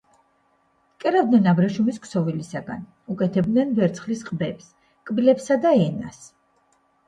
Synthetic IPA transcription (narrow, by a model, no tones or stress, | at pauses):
kʼɛɾavd̪nɛnabɾaʃumiskʼʰsɔvilisaɡa̰n | ukʼɛt̪ʰɛb̚d̪nɛnvɛɾt̪sʰχlisqʼbɛps | kʼbilɛpsad̪aɛna̰s